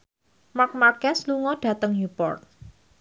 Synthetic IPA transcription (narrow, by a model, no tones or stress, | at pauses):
mak̚makɛsluŋɔɖ̥a̤t̪əŋjupɔ̰rt̪̚